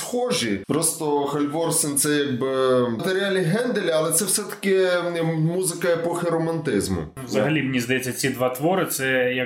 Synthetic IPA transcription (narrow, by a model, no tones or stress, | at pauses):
sxɔʒipɾɔst̪ɔxɐlʲʋɔrsɪnt̪sɛjaɡ̚bɪt̪eɾʲɪalʲiɦɛnd̪elʲɐlˠɛt̪sɛwsɛt̪ɐ̥kʲɪ | muzɪkɐɛpɔxʲɪɾɔmɐnt̪ɪzmʊ̰ | ʋzɐɦɐlʲimɪnʲizd̪ɐjɛt͡sʲːɐt͡sʲid̪ʋat̪ʋɔɾɪt̪sɛjɐ